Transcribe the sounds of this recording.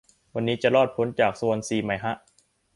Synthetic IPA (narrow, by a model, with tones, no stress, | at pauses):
wa˧nːiː˦˥t͡ɕa˨˩lɔː˥˩t̪̚pʰo˦˥nt͡ɕaː˨˩k̚su˧ənsiː˨˩ma˧˩˦jɦa˦˥ʔ